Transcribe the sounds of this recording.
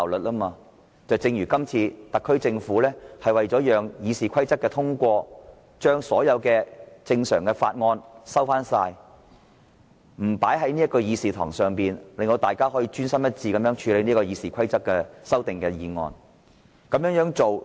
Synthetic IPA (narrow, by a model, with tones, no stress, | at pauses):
wlɵ˨t̚laː˥maː˧ | t͡sɐ˨wt͡sɪ˧ŋjyː˨˩kɐ˥mt͡sʰiː˧t̪ɐ˨kʰːɵ˥ɥt͡sɪ˧ŋfuː˨˥lɛː˥hɐ˨jwɐ˨jt͡ʃɔː˨˥jœː˨ŋjiː˨˧siː˨˩kʷʰɐ˥jt͡sɐ˥k̚ːɛː˧t̪ʰʊ˥ŋkʷɔː˧ | t͡ʃœː˥ŋsɔː˨˥jɐ˨˧wkɛː˧t͡sɪ˧ŋsœː˨˩ŋkɛː˧faː˧t̚ŋɔː˧nsɐ˥wfaː˥nsaː˧j | m̩˨˩paː˨˥jɦɐ˨˥jniː˥ɐ˥tkɔː˧jiː˨˧siː˨˩t̪ʰɔː˨˩ŋsœː˨˩ŋpiː˨nlɪ˨ŋt̪o˧wt̪aː˨˩jkaː˥ɦɔː˨˥jiː˧t͡ʃyː˥nsɐ˥mjɐ˥t̚t͡siː˧kɐ˨˧mjœː˨˥ŋt͡ʃʰyː˨˧le˨˧jni˥kɔː˧jiː˨˧siː˨˩kʷʰɐ˥jt͡sɐ˥k̚ːɛː˧sɐ˥wt̪ɪ˨ŋkɛː˧jiː˨˧ŋɔ̰ː˧n | kɐ˨˧˥mjœ˨˥ŋjœː˨˥ŋt͡ʃo˨w